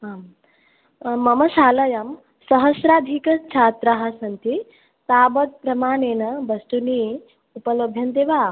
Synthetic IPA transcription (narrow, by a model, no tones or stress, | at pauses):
ɦam | mɐmɐsaːlɐjɐm | sɐɦɐsɾaːd̪ʱikɐt͡ʃʰaːt̪ɾaɦɐ̆sɐnt̪i | t̪aːbɐt̪̚pɾɐmaːɳeːnɐbɐst̪uni | upɐlobʱjɐnd̪eːʋaː